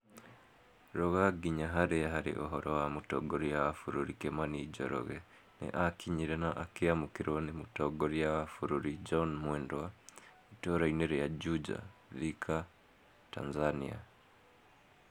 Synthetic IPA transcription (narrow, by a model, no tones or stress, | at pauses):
ɾoɣaɡiɲaɦaɾeɦaɾḭʔoɦoɾowamuto̰ɡoɾijaafuɾuɾikemaniːɟo̰ɾo̰ɣe | nḛʔakiɲiɾenaʔakijamukiɾwanimutoɡoɾijaafuɾuɾid͡ʒonmwendowa | itoɾaineɾjaɟud͡ʒa̰ðikʰa | ta̰nzanḭa̰